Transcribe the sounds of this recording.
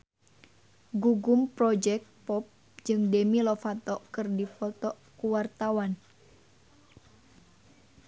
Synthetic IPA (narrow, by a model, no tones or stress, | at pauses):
ɡuɡumpɾɔd͡ʒɛk̚t̪̚pɔp̚ | d͡ʒɨŋdemilɔfat̪ɔkɨrdifɔt̪ɔ | kuwart̪awan